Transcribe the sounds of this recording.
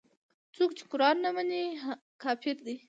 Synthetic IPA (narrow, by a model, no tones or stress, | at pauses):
t͡sokt͡ʃe̥kʊɾɑnːamani | kɑfɪɾd̪i